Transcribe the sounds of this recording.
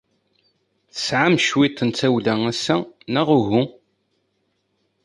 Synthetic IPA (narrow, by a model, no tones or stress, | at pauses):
θə̥sʕamʃwit̪ˤːənt͡s̪æwlææsːænæʁʊɣu